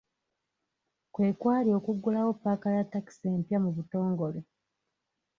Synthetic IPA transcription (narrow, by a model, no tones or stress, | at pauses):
kwe̞ːkwaːlio̞ːkuɡːulawo̞pːaːkalatːaki̥se̞ːmpjamuβuto̞ːŋɡo̞le